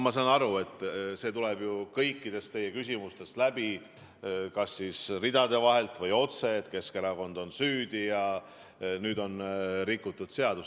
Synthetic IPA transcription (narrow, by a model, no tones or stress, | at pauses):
mɑsɑnɑɾue̞t̪ˑːse̞ːt̪ulɛb̥jukɤjkːˑid̪e̞st̪t̪e̞jekysʲimust̪e̞st̪læb̥i | kɑsːiːsrid̪ɑd̪e̞vɑɦe̞lt̪ˑvɤjo̞t̪se̞ːt̪ke̞skeɾɑɡo̞nd̪o̞nsyːd̪̥ijɑ | nyːd̪o̞nɾikːˑut̪ːˑud̪̥se̞ɑd̪us